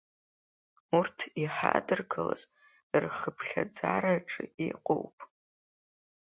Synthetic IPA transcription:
urtʰiħadɨrɡʰala̰z | ɨrχəpʰɬʲad͡zaɾaʈ͡ʂʼɨiqʼowpʼ

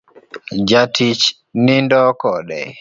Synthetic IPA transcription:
d͡ʒatʰit͡ʃ | nindɔkɔɗɛ̰

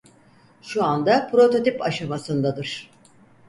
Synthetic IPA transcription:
ʃuand̪apɾo̞t̪o̞t̪ipaʃamasɯnd̪ad̪ɯɾ̥

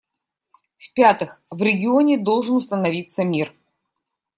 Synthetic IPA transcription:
fpʲat̪ɨxvɾʲɪɡʲɪo̞nʲɪd̪o̞lˠʐɨnʊst̪ənɐvʲit̪səmʲir

